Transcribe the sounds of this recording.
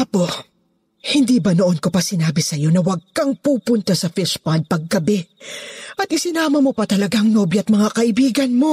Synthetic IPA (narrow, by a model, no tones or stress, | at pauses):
apo̞ | hɪnd̪iːbɐnoʔonko̞pɐsɪnaːbɪsɐjo̞nɐwɐɡ̚kɐŋpuːpʊnt̪asɐfɪʃpɐnd̪̚pɐɡ̚ːɐbɛ | ʔɐt̪ɪsɪnaːmɐmo̞pɐt̪ɐlɐɡaŋnobjʔɐt̪̚mɐŋakɐʔɪbiːɡɐnmo̞